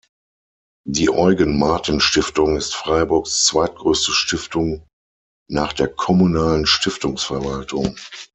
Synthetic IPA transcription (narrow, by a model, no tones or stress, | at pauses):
diːʔɔʏɡənmaɐtnʃtɪftʊŋɪstfʁ̥aɪbʊɐkst͡sv̥aɪt̚ɡ̥ʁøːstəʃtɪftʊŋ | naːχd̥eːɐkʰɔmunaːlənʃtɪftʊŋsfɛɐvaltʰʊ̰ŋ